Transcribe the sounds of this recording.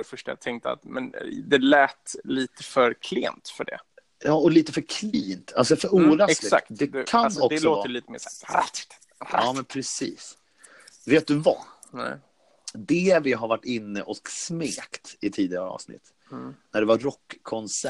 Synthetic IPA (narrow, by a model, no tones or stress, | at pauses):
ɛfœʂʈaja̰t̪ʰɛŋk̚t̪əa̰t̪mɛ̰nd̪ɛlɛːt̪liːt̪əfœɾkʰlḛːnt̪fœɖɛ̰ | jɑːɔliːt̪əfœɾkʰliːnt̪ʰa̰lsɔfœɾuːɾaɛk̪ɪsa̰k̚td̪ɛd̪kʰaːɔkd̪ɛslɔoːtvəliːt̪əmḛːʂɛ | ɑːmɛnpʰɾɛsiːs | veːt̪̚d̪ɵva̰ | nɛ | d̪ɛvɪɦaɾvaʈːɪnːəʔɔksmeːkt̪ɪt̪ʰiːd̪ɪɡaɑ̰ːvsnɪ̰t̪ː | næɖɛvaɾɔkʰːɔnsæ